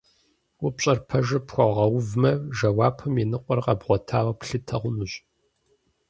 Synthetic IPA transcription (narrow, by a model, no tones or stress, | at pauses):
wʊpɕʼɐrpʰɐʒɨpxʷɔʁɐwvmɐʒɐwaːpʰɨmjenɨqʷʼɔrqɐbʁʷɔtʰaːwɐpɬɨtʰɐʁʷʊnuɕʼ